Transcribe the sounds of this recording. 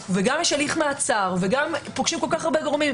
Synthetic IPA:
veɡamjɛʃaliχmeat͡saʁveɡampoɡ̥ʃimkolkaχaʁbeɡoʁmim

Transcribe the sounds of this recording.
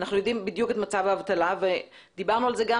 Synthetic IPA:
naχnujod̪imbid̪juke̞t̪mat͡saveavt̪alaved̪ibaʁnualzeɡa

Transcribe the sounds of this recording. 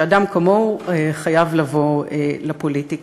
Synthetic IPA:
adamkamoweχajavlavo̞elapolitik

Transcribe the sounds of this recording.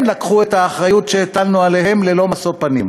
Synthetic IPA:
mlakχuet̪aːχʁajutʃeːt̪alnuale̞he̞mle̞lo̞masopanim

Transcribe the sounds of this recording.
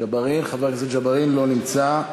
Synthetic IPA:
abaʁinχavakazed͡ʒabaʁimlo̞nimt͡sa

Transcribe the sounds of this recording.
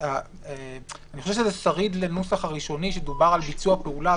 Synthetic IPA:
a | eaniχoʃevʃezesaʁid̪lenusaχaʁiʃo̞niʃed̪ubaʁalbit͡suapeula

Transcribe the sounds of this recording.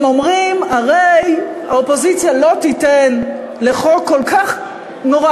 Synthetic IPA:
momʁimaʁej | haopo̞zit͡sjalo̞t̪it̪en | leχoko̞lkaχ | noʁa

